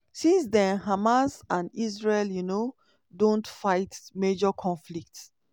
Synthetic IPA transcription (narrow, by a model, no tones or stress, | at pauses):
sĩns̬dɛ̃nɦamasãnisɹeljuno | dõntfaɪtmed͡ʒɔkʰɔ̃nflik̚ts